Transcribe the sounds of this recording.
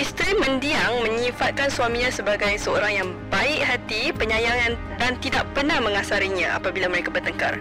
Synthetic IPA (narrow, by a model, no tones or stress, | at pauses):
ist̪ɾimə̃ndiaŋmə̃ɲĩfat̪̚kansuamĩɲãsəbaɡajsəo̰ɾaŋjaŋ | baɪʔ̚ɦat̪ipəɲãjaŋjaŋ | dant̪idaʔ̚pərnahmə̃ŋasaɾiɲãʔa̰pabilaməɾekabərt̪əŋka̰r